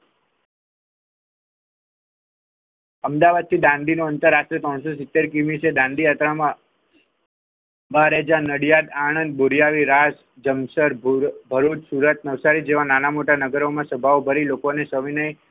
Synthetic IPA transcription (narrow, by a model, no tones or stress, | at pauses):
əmd̪aʋad̪̚t̪ʰid̪ãnd̪inoənt̪əɾːaʃʈɾet̪ɾɔɽ̃sosɪt̪ːeɾkimised̪ãnd̪ijat̪ɾamã | baɾed͡ʒanəɽjad̪aɽ̃ənd̪̚boɾijaʋiɾas | d͡ʒəmsəɾbʱəɾut͡ʃsuɾət̪̚nəʋsaɾid͡ʒeʋãnanamoʈanəɡəɾomãsəbʱaobʱəɾilokonesəʋinaj